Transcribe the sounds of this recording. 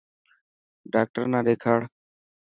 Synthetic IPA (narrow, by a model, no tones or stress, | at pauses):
ɖaːk̚ʈəɾnãːɗ̪eːkʰaːɽ